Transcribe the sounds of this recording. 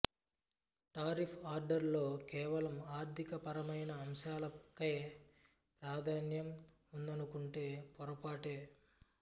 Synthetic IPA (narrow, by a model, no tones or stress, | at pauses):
ʈaːɾipʰaːɾɖɐɾlo̞ːkɛːʋɐlɐmaːɾt̪ʰikɐpɐɾɐmɐjnɐːmʃaːlɐkɐj | pɾaːd̪ʱaːnjɐm | und̪ɐnukuɳʈe̞ːpɔɾɐpaːʈe̞ː